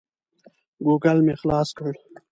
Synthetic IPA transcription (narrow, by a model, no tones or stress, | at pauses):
ɡuːɡɐlmexlɑːskəɽ